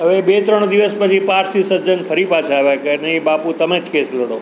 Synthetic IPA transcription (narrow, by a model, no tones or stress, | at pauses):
ɦəʋebet̪ɾəɳ̃d̪iʋəspət͡ʃʰipaɾsisəd͡ʒənfʰəɾipat͡ʃʰaʋakəɾneibaput̪əmed͡ʒkesləɽo